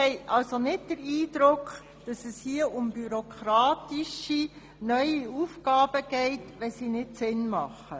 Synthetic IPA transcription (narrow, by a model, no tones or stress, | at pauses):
hɛɪʔɑlsonɪt̚d̥əɾiːd̥ɾʊkχ | d̥ɑsɛshiəʔʊmbyɾokʰɾɑːtiʃi | nœʏiufɡɑːb̥əɡ̥ɛɪtʋɛsinɪtsɪnmɑχə